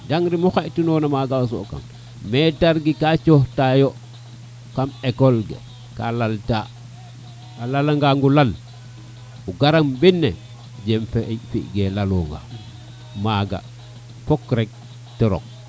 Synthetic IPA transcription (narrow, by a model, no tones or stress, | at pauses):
daŋɾimuxeʔtunonamaɡas̬o̰ka̰m | metaɾɡikat͡ʃohtajo | kamekolɡḛ | ka̰lalta | alalaŋɡaŋɡulal | uɡaɾambinːe | ɟemfefḭʔɡelalo̰ŋɡa̰ | maɡa̰ | fokɾek̚ | tiɾo̰k̚